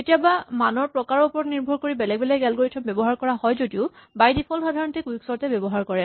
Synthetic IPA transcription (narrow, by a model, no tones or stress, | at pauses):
etijabamanɔɹpɹɔkaɹɔupɔɹɔtniɹbʱɔɹkoɹibɛlɛɡ̚bɛlɛɡɛlkoɹitʰɔmbɛbɔɦaɹkɔɹaɦɔjzodiʊbajdipʰɔlxadʱaɹɔntʰikuiksɔɹtɛbɔbɔɦaɹkɔɹɛ